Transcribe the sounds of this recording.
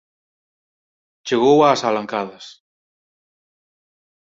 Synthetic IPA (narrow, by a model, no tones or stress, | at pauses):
t͡ʃeɣowaːsalaŋkaðɐs